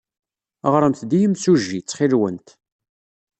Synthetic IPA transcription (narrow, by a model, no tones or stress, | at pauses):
əʁɾˤəmt̪d̪ijəmsuʒːit͡sːχɪɾwənt̪